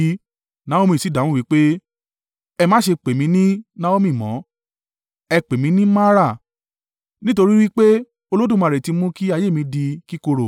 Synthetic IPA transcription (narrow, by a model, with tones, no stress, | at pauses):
nã˦o˦mĩ˧˨si˨˦da˨˦wũ˦wi˨˦k͡pe˦ | ɛ˧mã˨˦ʃe˧k͡pe˨mĩ˨˧˦nĩ˦nã˦o˦mĩ˦˨mɔ̃˨˦ | ɛ˧k͡pe˨mĩ˨˧˦nĩ˦mã˦ɾa˦˨ | nĩ˦to˧ɾi˦wi˦k͡pe˦ | o˧lo˦dũ˦˨m̃˨˧ɾe˨ti˧mũ˦ki˦a˧je˦˨ĩ˧di˧ki˦ko˧ɾo˨